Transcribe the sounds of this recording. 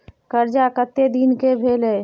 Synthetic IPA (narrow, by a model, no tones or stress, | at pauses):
kəɾd͡ʒakət̪ːed̪inkebʱeːle